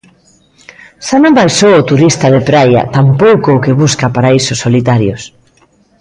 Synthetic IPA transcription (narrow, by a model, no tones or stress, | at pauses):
ʃanõmbajʃowʊt̪uɾist̪að̞epɾaja̰t̪ampowkoːkeβuskapaɾaisosolit̪aɾjos